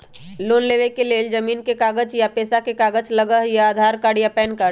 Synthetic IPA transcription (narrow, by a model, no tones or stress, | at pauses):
loːnleːʋekeleːld͡ʒɐmiːnkekaːɡəd͡ʒjapeːsakekaːɡət͡ʃlɐɡəɦjaaːd̪ʱaːɾkaːɽijapɛːnkə